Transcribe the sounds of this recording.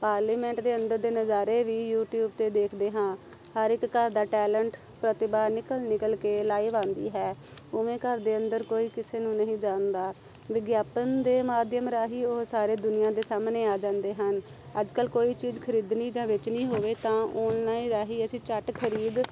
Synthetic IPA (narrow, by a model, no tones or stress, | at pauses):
paːɾliːmɛ̃ːɳʈd̪eːənd̪əɾd̪eːnəzaːɾeːʋiːjuːʈjuːb̚t̪eːd̪eːkʰd̪eːɦãː | həɾɪkːəɾd̪aːʈɛːləɳʈ | pɾət̪ɪbaːnɪkəlnɪkəlkeːlaːiːʋãːnd̪ḭːɦɛː | ʊʋẽːkəɾd̪eːənd̪əɾkoːiːkɪseːnũːnəɦĩːd͡ʒãːnd̪aː | ʋɪɡjaːpənd̪eːmaːd̪jəmɾaːɦiːʊɦsaːɾeːd̪ʊnɪjãːd̪eːsaːmneːaːd͡ʒãːnd̪eːɦən | əd͡ʒkəlkoːiːt͡ʃiːzkʰəɾiːd̪niːd͡ʒãːʋɪt͡ʃnĩːɦoːʋeːt̪ãːʊnnaːĩːɾaːɦiːəsĩːt͡ʃəʈkʰəɾiːd̪